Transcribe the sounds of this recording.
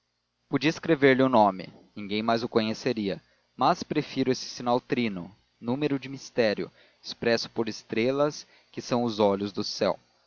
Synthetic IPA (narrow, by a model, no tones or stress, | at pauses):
pud͡ʒiɐeskɾeveɾlɪʊnõmɪ̰ | nĩɡẽj̃majzʊkõɲeseɾiɐ | mɐspɾefiɾʊesɪ̥sinawt̪ɾinʊ̰ | nũmeɾʊd͡ʒɪmist̪ɛɾjʊ̰ | ɪspɾɛsʊ̥poɾɪst̪ɾelɐs | kɪsɐ̃w̃ʊzɔʎʊzd̪ʊsɛ̰w